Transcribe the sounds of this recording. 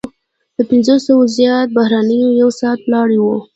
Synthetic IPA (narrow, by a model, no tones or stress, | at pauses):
d̪̥əpɪnzosəwozjɑt̪̚bahɾɑnəjojawsɑt̪̚wlɑɽiwo